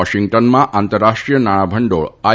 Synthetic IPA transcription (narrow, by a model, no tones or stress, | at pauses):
ɔʃiŋɡʈənmãʔant̪əɾːaʂʈɾijənaɽ̃abʱəɳɖoɭa